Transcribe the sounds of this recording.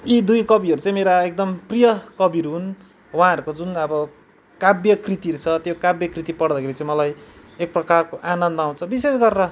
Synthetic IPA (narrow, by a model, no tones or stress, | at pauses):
id̪ujkʌbiʌɾut͡sãĩmeɾaek̚d̪ʌmprijʌkʌbiɾɦun | waɦãɦʌɾukod͡zunʌbʌ | kabjʌkrit̪iɾut͡sʰʌt̪jokabjʌkrit̪ipʌɽd̪ʌkʰeɾit͡sãĩmʌlaj | ek̚prʌkarkoʔanʌnd̪ʌaw̃t͡sʰʌbisesɡʌrːʌ